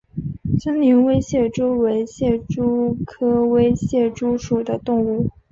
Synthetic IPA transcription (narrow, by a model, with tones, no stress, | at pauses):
t͡ɕə˥ŋli˧˥ŋwe˥ɪɕjɛ˥˩ʈ͡ʂu˥we˧˥ɪɕjɛ˥˩ʈ͡ʂu˥kʰɤ˥we˥ɪɕjɛ˥˩ʈ͡ʂu˥ʂu˨˩d̪ə˦t̪ʊ˥˧ŋu˥˩